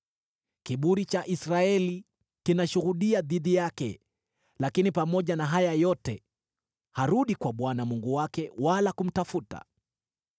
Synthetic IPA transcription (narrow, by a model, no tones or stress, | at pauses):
kiɓuɾit͡ʃaʔisɾaɛli | kinaʃuɣuɗiaðiðijakɛ̰ | lakinipamɔʄanaɦajajɔtɛ̰ | haɾuɗikwaɓwanamuŋɡuwakɛwalakum̩tafuta̰